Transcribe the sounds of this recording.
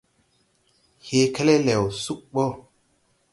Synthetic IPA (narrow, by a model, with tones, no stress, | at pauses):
he˦ke˦le˦le˨wsu˦k̚ɓɔ˦